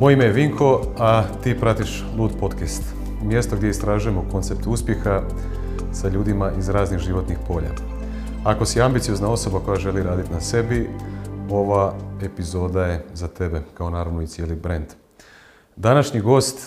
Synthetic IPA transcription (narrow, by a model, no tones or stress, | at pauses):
mojeimejeʋiŋkʰo̞at̪iːpɾat̪iʃ | lˠuːd̪po̞t̪kest̪ | mje̞st̪o̞ɡd̪ʲjeist̪ɾaːʒuje̞mo̞ko̞nt̪sep̚t̪uspje̞xa | saʎuːd̪imaʔizɾaːzniɣʒiʋo̞t̪nixpo̞ːʎa̰ | ako̞siambit̪sio̞znao̞so̞bako̞jaʒe̞liɾaːd̪it̪nase̞bi | o̞ʋaepizo̞ːd̪aje̞zat̪e̞be̞kao̞naːɾaʋnoit̪sjeːlibɾend̪ | d̪anaʃɲiɡo̞ːst̪